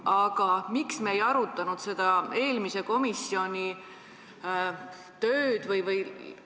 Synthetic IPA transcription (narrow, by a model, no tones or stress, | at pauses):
ɑɡ̥ɑmiksmeejɑɾut̪ːˑɑnud̪̥se̞d̪̥ɑe̞ːlmise̞ko̞misːio̞nʲi | t̪øːd̪̥vɯjvɯj